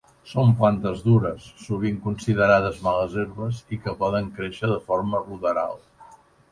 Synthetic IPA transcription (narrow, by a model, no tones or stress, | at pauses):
somplant̪əzðuɾəsːuβ̞iŋkunsiðəɾað̞əzmaləzeɾβəzikəpɔð̞əŋkɾeʃəðəfɔɾməruðəɾa̰lˠ